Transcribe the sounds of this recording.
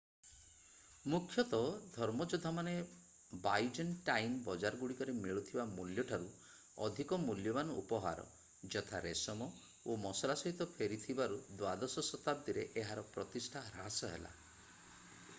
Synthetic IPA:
mukʰjɔt̪ɔd̪ʱɔɾmɔd͡ʒod̪ʱːamane | bajd͡ʒɔnʈajnbɔd͡ʒaɾɔɡuɽikɔɾemiɭut̪ʰibamuljɔʈʰaɾu | ɔ̰d̪ʱikɔmuljɔmanɔṵpɔɦa̰ɾɔ̰ | d͡ʒɔt̪ʰaɾesɔmɔ | omɔsɔlasɔɦit̪ɔpʰeɾit̪ʰibaɾud̪wad̪ɔsɔsɔt̪ab̚d̪iɾeʔeɦaɾɔpɾɔt̪isʈʰaɾasɔɦḛla̰

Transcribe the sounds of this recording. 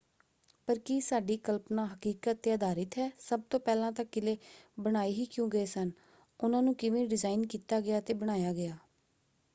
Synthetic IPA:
pəɾkiːsaːɖiːkəlpnãːɦəkiːkət̪ːeːəd̪ʱaːɾɪt̪ɦɛːsəb̚t̪õːpɛːlãːt̪əkːɪleːbəɽ̃aːiːɦiːkjũːɡəeːsən | ʊnãːnũːkɪʋẽːɖɪzaːɪnkiːt̪aːɡɪjaːt̪eːbəɽ̃aːjaːɡɪaː

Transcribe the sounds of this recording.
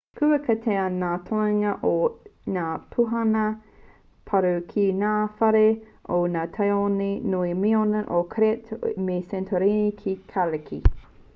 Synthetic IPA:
kʰʉɐkʰɐtʰeɐnaːtʰoeŋɐʔonaːpʰuɦɐnɐ | pʰɐɾuwkʰinaːfɐɾe | ʔonaːtʰɐjonenoimionɐʔokʰɾɛtmesɛntʰoɾenikʰikʰalekʰi

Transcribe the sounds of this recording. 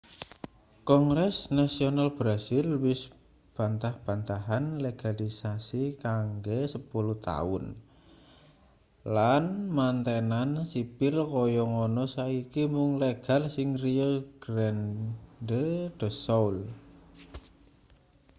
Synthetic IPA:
kɔŋɾɛsnasionalb̥ɾasɪlwɪs | b̥a̤nt̪ahb̥a̤nt̪aɦanleɡ̥alisasikaŋɡesəpuluht̪a̰ʊ̰n | lanmant̪enansipɪlkɔjɔŋɔnɔsaikimʊŋleɡ̥a̤lsɪŋriɔɡ̥ɾɛndəd̥ə̤sɔwl

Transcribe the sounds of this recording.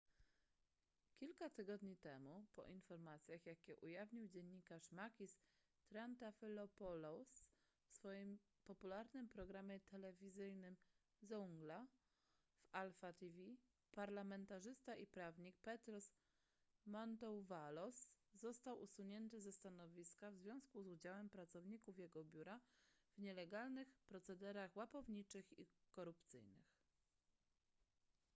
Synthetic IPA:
kʲilkat̪ɘɡɔd̪ɲit̪ɛmupɔ̰ʔinfɔɾmat̪sʲjaxjakʲɛʔujavɲiwd͡ʑɛɲːikaʂmakʲis | t̪ɾant̪afʲilɔpɔlɔs | fsfɔjim | pɔpulaɾnɘmpɾɔɡɾamʲjɛt̪ɛlɛvʲizɘjnɘm | zuŋɡla | valfat̪ivʲi | paɾlamɛnt̪aʐɘst̪aʔipɾavɲik̚pɛt̪ɾɔs | mɔnt̪ɔwvalɔsːɔst̪awʔusuɲɛnt̪ɘzɛst̪anɔvʲiskavzvʲjɔ̃w̃skuzud͡ʑawɛmpɾat̪sɔvɲikufjɛɡɔbʲjuɾav̥ɲɛlɛɡalnɘxpɾɔt̪sɛd̪ɛɾaxwapɔvɲit͡ʂɘxikɔɾupt̪sɘ̰jnɘ̰x

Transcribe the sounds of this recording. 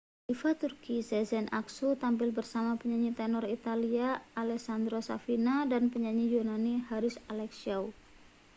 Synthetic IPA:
ʔifat̪urkisɛzɛnʔa̰ksut̪ampɪlbərsamapəɲaɲit̪ɛnɔrit̪aliaːlɛksand̪ɾosa̰finadanpəɲaɲijunanihaɾɪsalɛksiaw

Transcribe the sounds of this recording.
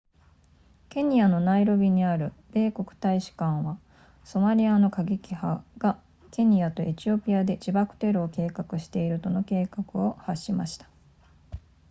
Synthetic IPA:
ke̞ɲ̟iano̞naiɾo̞bʲiɲ̟iaɾɯ̟be̞ːko̞kɯ̟̥t̪aiɕi̥kãɰ̃βa | so̞maɾʲiano̞kaɡʲikʲihaɡ̥a | ke̞ɲ̟ijat̪o̞ʔe̞t͡ɕio̞pʲiad̪e̞d͡ʑibakɯ̟̥t̪e̞ɾɯ̟oke̞ːkakɯ̟ɕi̥t̪e̞iɾɯ̟t̪o̞no̞ke̞ːkakɯ̟o̞haɕːimaɕi̥t̪ḁ

